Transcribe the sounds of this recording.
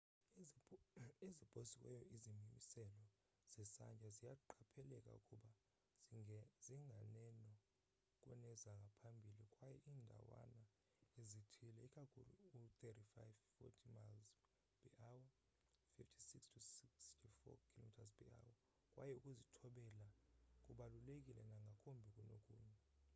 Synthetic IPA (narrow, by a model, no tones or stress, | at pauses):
ezib̥ʱosikwɛ̰jɔizimimisɛlɔ | z̥ɛsand͡ʒʱʼazijaǃʰapʰɛlɛkʼa̰ṵkʼuɓa | ziŋɡʱanɛnɔ | kʼwɛ̰nɛzaŋɡʱapʰambʱilikʼwajɛʔindʱa̰wa̰na | ezitʰilɛikʼakʰṵlṵut̪etifajvfɔ̰tʰimalz | pʰʼiʔawa | fiftʰi̥sikstʰusikstʰufɔ̰kʰilomitʰazpʰʼḭa̰wa | kʼwa̰jɛukʼuzitʰɔɓɛlakʼuɓalulek̬ʼilɛnaŋɡʱakʰʼombʱikʼunokʼṵːɲɛ